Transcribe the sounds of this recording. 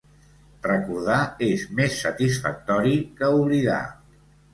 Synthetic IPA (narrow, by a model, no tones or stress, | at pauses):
rəkuɾð̞aezmesːət̪isfə̰k̚t̪ɔɾikəuβliða̰